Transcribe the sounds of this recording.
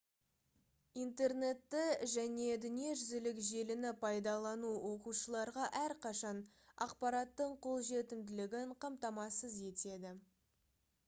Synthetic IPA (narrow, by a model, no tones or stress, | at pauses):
ijnt̪e̞rne̞t̪ːɪʒæne̞d̪ʏnije̞ʒʏzɪlɪkʒe̞lɪnɪpʰɑjd̪ɑlˠɑnuwo̞quʃəlˠɑɾʁɑʔæɾqʰɑʃɑn | ɑ̰qpɑɾɑt̪ːəɴqʰo̞lˠʒe̞t̪ɪmd̪ɪlɪɡʲɪɴqʰɑmt̪ɑmɑsəze̞t̪e̞d̪ɪ